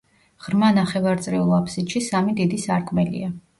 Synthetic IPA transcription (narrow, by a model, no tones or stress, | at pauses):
ʁɾmanaχɛvaɾt̪sʼɾɛulˠapʰsit̪ʃisamid̪id̪isaɾkʰʼmɛlḭa